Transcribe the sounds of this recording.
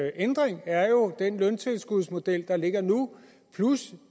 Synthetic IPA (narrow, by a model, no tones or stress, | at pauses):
ʔend̥ʁeŋæɐjo̝d̥enlœnt͡sʰe̝lsɡ̥uðˠsmo̝d̥el̰d̥ɑ̈le̝ɡ̥ɐnu | pʰlus